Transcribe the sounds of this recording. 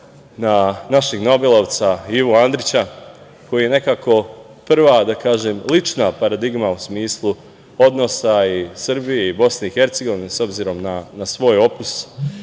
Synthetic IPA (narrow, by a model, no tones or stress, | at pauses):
nanaʃeɡno̞belˠoʋt̪saiʋuand̪ɾit͡ɕa | ko̞jijene̞kako̞ | pr̩ʋad̪akaːʒemlit͡ʃnapaɾad̪iɡmausmiːslˠu | o̞d̪no̞saisr̩bijeibo̞sne̞ixe̞ɾt̪seɡo̞ʋineso̞bziɾo̞mnanasʋo̞ːjo̞pus